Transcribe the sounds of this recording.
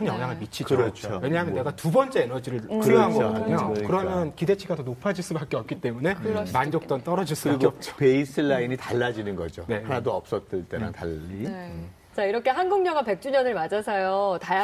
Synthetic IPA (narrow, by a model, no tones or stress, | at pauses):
kʰɯnjʌŋɦaŋɯɭmit͡ɕʰikd͡ʑɯot͡ɕʰowe̞ɲaɦamjʌneɡatubʌnt͡ɕ͈eenʌd͡ʑiɾɯɭkɯɾoɦaɡokɯɾʌmjʌnkide̞t͡ɕʰiɡadonopʰad͡ʑiɭs͈ubak͈eʌp̚k͈it͈e̞mune̞mand͡ʑok̚t͈ʌnt͈ʌɾʌd͡ʑiɭs͈ubaɡkeʌp̚t͡ɕ͈ʰo̥peisʰɯɭːainitaɭːad͡ʑinɯnɡʌ̰d͡ʑonehanadoʌp̚s͈ʌs͈ɯɭt͈eɾa̰ŋta̰ʎːi | t͡ɕaiɾʌkʰe̞ɦanɡuŋɲʌŋape̞k̚t͡ɕ͈uɲʌnɯɭmad͡ʑasʰʌjotaj